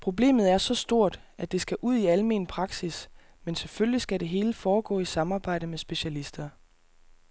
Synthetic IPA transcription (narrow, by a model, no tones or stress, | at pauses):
pʰʁo̝ble̝̰ːmð̞̩ˠæɐsɒ̽sd̥o̝ɐ̰d̥æd̥e̝sɡ̥æʔuð̞̰ˠiælme̝ːnpʰʁɑ̈ɡ̥sis | menseføllisɡ̥æɾe̝ɦe̝ːləfɒːɡ̥ɔ̰̽ːisɑ̈mɑ̈ːb̥ɑ̈ɪ̰d̥əmesb̥e̝ɕælisd̥ɐ